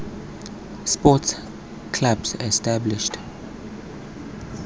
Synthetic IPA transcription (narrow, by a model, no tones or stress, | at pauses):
spɔts | kʰlabsɛstablɪʃt